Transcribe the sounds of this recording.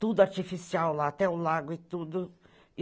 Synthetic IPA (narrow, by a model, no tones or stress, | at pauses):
t̪ud̪ʊaɾt͡ʃifisiawlaat̪ɛʊlaɡʊɪt̪ud̪ʊ